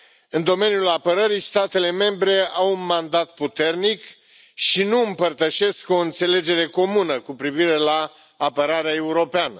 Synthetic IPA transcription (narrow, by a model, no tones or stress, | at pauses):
ɨnd̪o̞me̞njulapəɾəɾist̪at̪e̞le̞me̞mbɾe̞awunmand̪at̪̚put̪e̞rnik | ʃinuɨmpərt̪əʃe̞sko̞ɨnt̪se̞le̞d͡ʒe̞ɾe̞ko̞munəkupɾiviɾe̞laː | pəɾaɾeae̞uɾo̞peanə